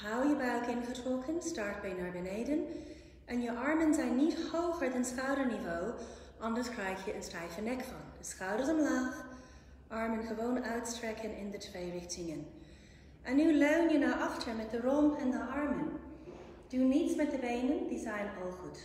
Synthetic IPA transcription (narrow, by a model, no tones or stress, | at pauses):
hawjəbœɥkɪnχətrɔkʰənstɑɹt̚bɛjnaːɹbəneɪdən | ʔɛnjəʔɑɹmənzɛjnːithowχəɹdɑnsχawdəɹnivo | ʔɑndəskʰɹɛjkjəənstɛjfənɛkfɑ̰ndəsχawdəɹzɔmlaːx | ʔɑɹmənχəʋownœɥtstɹɛkʰənɪndətʰweɪɹɪxtɪŋən | ʔɛnːyløɥnjənawʔɑχtʰəɹmɛt̚d̥ərɔmɛndəʔɑɹmən | d̥unitsmɛt̚dəbejnəndizajnɔlˠχut